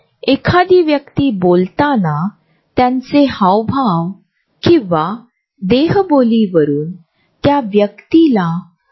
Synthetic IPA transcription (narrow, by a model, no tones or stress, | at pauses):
ekʰad̪iːʋjəkt̪iːbolt̪ana | t̪jãnt͡sehawbʱaʋ | kĩʋa | d̪eɦboliʋəɾuːn | t̪jaʋjəkt̪ila